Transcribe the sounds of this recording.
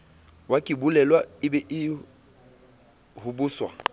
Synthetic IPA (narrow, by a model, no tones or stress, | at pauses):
wakʼɪbulɛlwaɪbɛʔɪ | hʊbʊːswa̰